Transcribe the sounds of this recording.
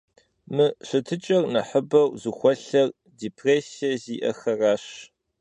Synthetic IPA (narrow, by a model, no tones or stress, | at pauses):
mɨɕɐtʰɨt͡ʃʼɐrnɐħəbɐwzuxʷɔɬɐr | diːpʰreːsijɐziːʔɐ̰xɐraːɕ